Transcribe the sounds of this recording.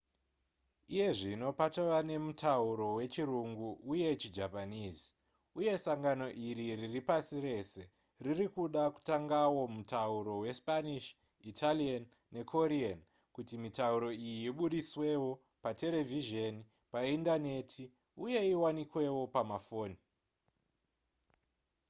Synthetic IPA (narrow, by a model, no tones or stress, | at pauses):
ije̞ʐino̞patoʋane̞mutʰauɾo̞we̞t͡ʃiruŋɡuuje̞t͡ʃid͡ʒapaniːzi̥ | uje̞saŋɡano̞ʔiɾiriripasire̞se̞ | ririkuɗaku̥taŋɡawo̞mutauɾo̞we̞spaniʃ | itʰalian | ne̞kʰo̞ɾian | kutimitauɾo̞ijiiɓuɗiswe̞wo̞ | pate̞le̞viʒeni | paindane̞tʰi | uje̞iwanikwe̞wo̞pamafoːni